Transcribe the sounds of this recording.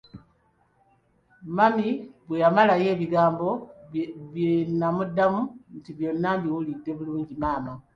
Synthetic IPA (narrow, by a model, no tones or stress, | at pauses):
mamiβwe̞jamalaje̞ːβiɡaːmbo̞ | βjenamudːamuntiβjo̞nːambiwulidːe̞βuluːɲɟimaːma